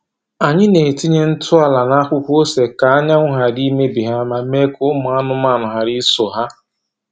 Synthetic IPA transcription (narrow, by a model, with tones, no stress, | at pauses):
a˨ɲɪ˦ne˨ti˦ɲe˦n̩˦tʰʊ˦a˨la˨na˦kʷʊ˦kʷo˦se˨ka˨a˦ɲa˦ŋʷʊ˦ɦa˨di˦me˦bi˨ɦa˦ma˦me˦kʊ˦ʊ˦mʊ˨a˦nʊ˦m˦a˦˨nʊ˨ɦa˨ɾi˦so˨ɦa˦